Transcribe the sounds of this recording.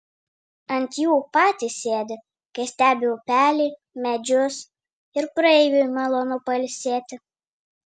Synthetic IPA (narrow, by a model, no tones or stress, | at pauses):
ɐnʲt̪ʲjuːpɑːt̪ʲɪsʲeːd̪ʲɪ | kɐɪsʲt̪ʲæːbʲɪʊpʲæːlʲiː | mʲɛd͡ʒʲʊs | ɪɾpɾɐɛɪʋʲʊmʲɛlˠɔnʊpɐlʲsʲeːt̪ʲɪ